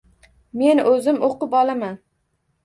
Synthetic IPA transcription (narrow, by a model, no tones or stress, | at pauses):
me̞nɵzɪmoqɨpɒlˠaman